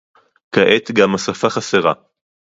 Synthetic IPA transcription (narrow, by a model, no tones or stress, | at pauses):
kaʔet̪ɡamasafaχaseʁa̰